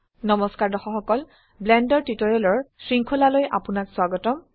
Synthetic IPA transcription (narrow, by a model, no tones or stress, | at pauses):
nɔmɔskaɹdɔxɔxɔkɔl | blɛndɔɹtitɔɹɛlɔɹsɹiŋkʰolalojʔa̰pʊnakswaɡɔtɔm